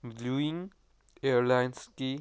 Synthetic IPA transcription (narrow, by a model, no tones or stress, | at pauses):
bluĩŋ | eəɾlajnski